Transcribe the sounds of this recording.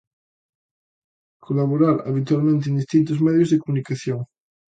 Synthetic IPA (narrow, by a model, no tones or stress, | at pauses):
kʰolaβ̞oɾaɾa̰β̞it̪walmẽnt̪̬ẽnd̪ist̪int̪ozmeðjozðekomunikaθjoŋ